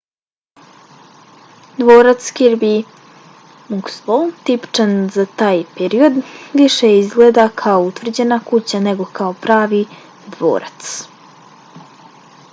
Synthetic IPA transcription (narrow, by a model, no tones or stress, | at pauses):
d̪ʋoːɾat̪skiɾbi | mukslot̪ipt͡ʃanzat̪aːjpeɾio̞d̪ʋiʃeizɡleːd̪akʰaout̪ʋr̩d͡ʑe̞nakut͡ɕane̞ɡo̞kaopɾaːʋi | d̪ʋo̰ːɾat̪s